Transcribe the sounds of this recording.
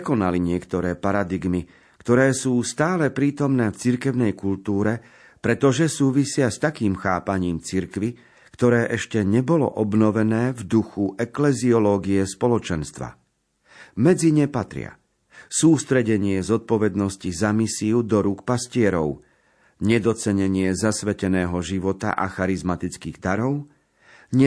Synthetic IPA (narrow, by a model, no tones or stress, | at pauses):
kɔnaliɲɪɛkt̪ɔɾɛːpaɾad̪iɡmi | kt̪ɔɾɛːsuːst̪aːlɛpɾiːt̪ɔmnɛːft͡siɾkɛʊnɛjkult̪uːɾɛ | pɾɛt̪ɔʒɛsuːʋisɪast̪akiːmxaːpaɲiːmt͡siɾkʋi | kt̪ɔɾɛːʔɛʃcɛɲɛbɔlɔ̰ʔɔbnɔʋɛnɛːvd̪uxuʔɛklɛziɔlɔːɡiɛspɔlɔt͡ʃɛnst̪ʋa̰ | mɛd͡ziɲɛpat̪ɾɪa̰ | suːst̪ɾɛɟɛɲɪɛzɔt̪̚pɔʋɛd̪nɔscizamisiud̪ɔɾuːkpascɪɛɾɔ̰ʊ | ɲɛd̪ɔt͡sɛɲɛɲɪɛzasʋɛcɛnɛːɦɔʒiʋɔt̪a̰ʔa̰xaɾizmat̪it͡skiːɣd̪aɾɔʊ | ɲ